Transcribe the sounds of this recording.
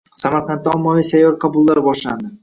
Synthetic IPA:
samaɾqʰɑnt̪ːaɒmːavijsajːɒɾqʰɑbʊlˠːaɾbɒʃla̰nd̪ɪ

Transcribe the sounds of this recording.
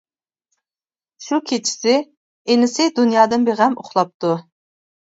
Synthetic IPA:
ʃukʲʰet͡ʃʰi̥sɪ | enɪsɪd̪unjɑːd̪ɨnbeʁɛmo̰χlˠɑp̚t̪u

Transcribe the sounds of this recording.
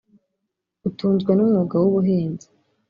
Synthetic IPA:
utuːnzɡwanumŋuɡawuβuɦeːnzi̥

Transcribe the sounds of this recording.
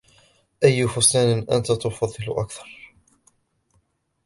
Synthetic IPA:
ʔajːʊfʊsaːnɪnʔant̪at̪ʊfɑðˤːɨlʊʔa̰kθɑ̥ɾˤ

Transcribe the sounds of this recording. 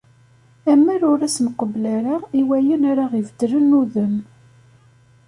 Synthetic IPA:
æmːæɾʊɾæsnəqəblæɾaiwæjənaɾaʁivəd̪ɾənːuðəm

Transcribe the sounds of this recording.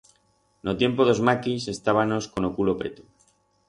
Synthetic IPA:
not̪je̞mpoðo̞zmakise̞st̪aβ̞ano̞sko̞nokulo̞pɾe̞̰t̪u̥

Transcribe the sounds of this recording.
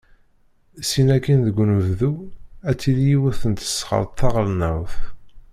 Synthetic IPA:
sinækːinðəɡʷːnəvðuæt͡sːiljiwʊθənt̪ə̥sːχə̰ɾˤt̪θɑʁəlnæwθ

